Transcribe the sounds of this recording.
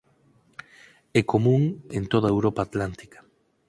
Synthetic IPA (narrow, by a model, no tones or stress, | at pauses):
ɛkomũŋent̪oð̞aewɾopaːt̪lant̪i̥kḁ